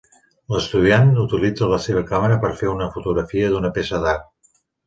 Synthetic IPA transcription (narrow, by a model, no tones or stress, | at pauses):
ləst̪uð̞ianut̪ilid͡zələseβ̞əkaməɾəpəɾfeunəfut̪uɣɾəfiəðunəpesəðaɾ